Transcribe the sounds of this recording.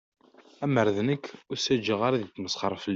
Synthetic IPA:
æməɾðnəkːʊsæd͡ʒəʁaɾaðit̪ːməsˤχəɾˤfəl

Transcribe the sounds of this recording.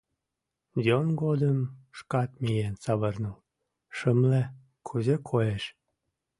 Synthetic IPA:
dʲonɡod̪əmʃkɑt̪mijensɑβərnəl | ʃəmle | kʰuzekʰojeʃ

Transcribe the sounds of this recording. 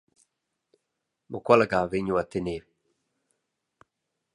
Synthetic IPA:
mʊ̰kalaɡaveɲuwat̪ɪne

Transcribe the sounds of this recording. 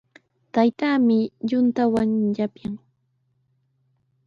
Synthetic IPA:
t̪ajt̪aːmɪʎʊnt̪awaŋʎapjaŋ

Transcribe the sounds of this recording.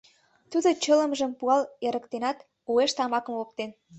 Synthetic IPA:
t̪ud̪ot͡ɕələ̆mʒə̆mpuɑleɾə̆kt̪enɑt̪ | ueʃt̪ɑmɑkə̆mop̚t̪en

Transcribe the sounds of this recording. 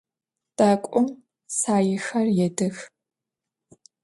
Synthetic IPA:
d̥aːkʷʼʊm | saːjɪxɐrjɛdɨx

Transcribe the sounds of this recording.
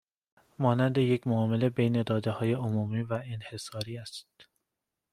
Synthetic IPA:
mɒːnænd̪e̞je̞cʰmoɒːme̞le̞bejne̞d̪ɒːd̪ehɒːje̞omuːmiːvæenhe̞sɒːɾiːæst̪̚

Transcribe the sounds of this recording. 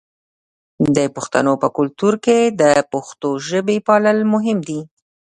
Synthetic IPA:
d̪əpʊxt̪a̰nopəkʊlt̪uɾked̪əpʊxt̪oʒəbepɑləlmʊɦɪmd̪i

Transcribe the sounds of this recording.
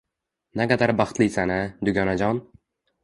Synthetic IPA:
naqad̪aɾbɑχt̪lɪsanɪd̪ʊɡʲɒnad͡ʒɒn

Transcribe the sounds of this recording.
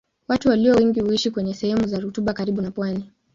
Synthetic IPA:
watuwaliɔwɛŋɡihuiʃikwɛɲɛsɛhɛmuzaɾutuɓakaɾiɓunapwani

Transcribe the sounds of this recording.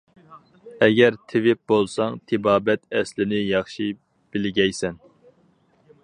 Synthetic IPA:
ɛɡʲɛɾt̪ʰɪvɪp̚bolˠsɑŋt̪ʰɪbɑːbɛt̪ɛslɪnɪjɑχʃi | b̥ɪlɡʲɛjsɛn

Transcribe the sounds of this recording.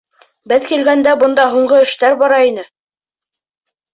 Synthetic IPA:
bɘðkilɡænd̪æbɤ̆nd̪ɑɦuɴɢɤɘ̆ʃt̪æɾbɑɾɑinɘ

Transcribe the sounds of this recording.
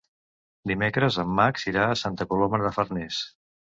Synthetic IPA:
d̪imekɾəzəmːaksiɾaəsant̪əkuloməɾðəfərnɛs

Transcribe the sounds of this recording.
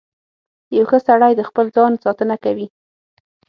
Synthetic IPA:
jawxəsaɽajd̪əxpəld͡zɑnsɑt̪ənakawi

